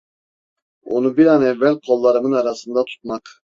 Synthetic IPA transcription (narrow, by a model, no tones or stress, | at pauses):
onubiɾanɛvːælʲkʰo̞lˠːaɾɯmɯnaɾasɯnd̪at̪ʰu̥t̪̚mak